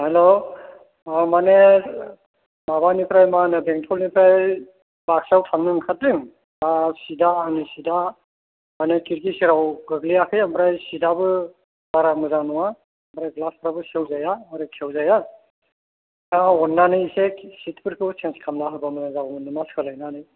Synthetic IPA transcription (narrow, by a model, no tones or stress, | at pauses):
halo | amane | mabanipʰɾajmanɯbeŋtʰɔlnipʰɾaj | bak̚sawtʰaŋnɯŋkʰat̚ɾiŋ | asidaːŋnisida | manekiɾkisiɾawɡɯɡlijakʰɯjambʰɾajsidabɯ | baɾamɯzaŋnɔwaː | mbɾajɡlaspʰɾabɯsewzajamɾekʰiewzaja | aɔnːanɯjsesitʰpɯɾpʰusʰenskʰamnaɦabamɯnazabamɯnɯmaskʰɯlajnanɯj